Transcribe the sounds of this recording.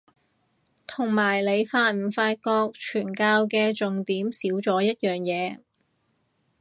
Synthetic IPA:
t̪ʰʊ˨˩ŋmaː˨˩jle˨˧jfaː˧t̚m̩˨˩faː˧t̚kɔː˧k̚t͡ʃʰyː˨˩nkaː˧wkɛː˧t͡sʊ˨ŋt̪iː˨˥msiː˨˥wt͡sɔː˨˥jɐ˥t̚jœː˨ŋjɛː˨˧

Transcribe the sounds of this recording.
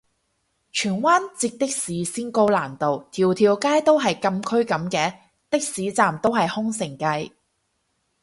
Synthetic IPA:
t͡ʃʰyː˨˩nwaː˥nt͡siː˧k̚t̪ɪ˥k̚siː˨˥siː˥nko˥wlaː˨˩nt̪o˨wt̪ʰiː˨˩wt̪ʰiː˨˧wkaː˥jt̪o˥wɦɐ˨jkɐ˧mkʰɵ˥ɥkɐ˨˥mkɛː˧ | t̪ɪ˥k̚siː˨˥t͡saː˨mt̪o˥wɦɐ˨jhʊ˥ŋsɪ˨˩ŋkɐ˧j

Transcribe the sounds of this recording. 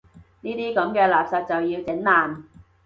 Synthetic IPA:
niː˥t̪iː˥kɐ˨˥mkɛː˧laː˨p̚sɐ˨t̚t͡sɐ˨wjiː˧wt͡sɪ˨˥ŋlaː˨˩n

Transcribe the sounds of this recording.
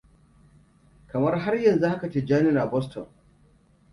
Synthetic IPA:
kɐ˨mɐ˦rɦa˦rjɐ˨nzu˦ha˦ka˨t͡ʃe˦d͡ʒaː˦nɪ˦na˨bɔ˦stɔ̰˨n

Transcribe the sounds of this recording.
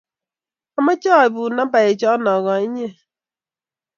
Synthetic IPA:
ɔ˦ma˦t͡ʃɔ˦˨ɪ˨bʊ˨na˦ba˨e˨t͡ʃɔ˦nɔ˨ɣɔ˨i˦ɲe˦

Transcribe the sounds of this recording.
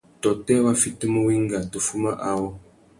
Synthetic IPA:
tɔ˨tɛ˦wa˦fi˦tə˦mə˦wi˦ŋ˦ɡa˨tə˨fu˦ma˦ʔa˦wɔ˦

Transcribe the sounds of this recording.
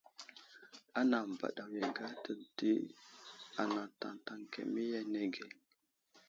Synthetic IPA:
a˦na˨m˨ba̰˨ɗa˨wje˨ɡa˦tə˨di˦ | a˨na˨ta̰˨nta˨ŋkḛ˨mi˦ja˦ne˦ɡe˨

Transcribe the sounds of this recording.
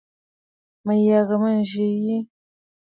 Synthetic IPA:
mə˨ja˨ɣa˨mə˦n˨ʒi˨˦ji˦

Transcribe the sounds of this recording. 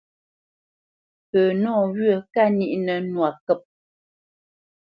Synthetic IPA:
pəː˨nɔː˦˨ɣɥə˦˨ka˦˨ni˦˨ʔnə˨nwa˨kə˦˨p̚

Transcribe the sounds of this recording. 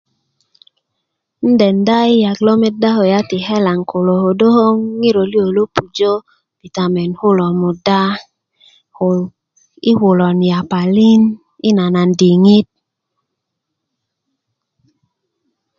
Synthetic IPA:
n̩˦dɛ˨nda˦ɪ˦ja˨klo˦mɛ˦da˦ho˨ja˦tɪ˨hɛ˦la˨ŋkʰo˨lo˨ho˨do˦ho˦ŋi˦ɾo˨ljo˨lo˦pu˨d͡ʒo˦ | v̥i˨ta˨mɛ˨nhʊ˦lɔ˨mʊ˨da˦˨ | ɪ˦wʊ˨lɔ˨nja˨pa˨li˦n | ɪ˦na˨na˨ndi˨ŋi˦t̚

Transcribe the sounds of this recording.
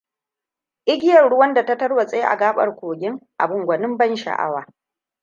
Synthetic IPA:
ʔɪ˦ɡʲɪ˦jɐ˨rɽʊ˦wɐ˦nda˨tɐ˦tɐ˦rwa˨sʼe˦jʔa̰˨ɡaː˦ɓɐ̰˨rkʷoː˨ɡʲɪ˦ŋʔa̰˨bʊ˨ŋɡʷɐ˨nɪ˦mbɐ˦nʃa̰˨ʔa̰˦waː˨

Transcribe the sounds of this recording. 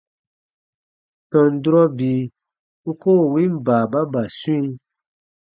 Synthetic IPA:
tɔ̃˨n̩˨du˦ɾɔ˦biː˨ | u˦koː˦˨wĩ˦m˦baː˨ba˦ba˨sũ˦i˦

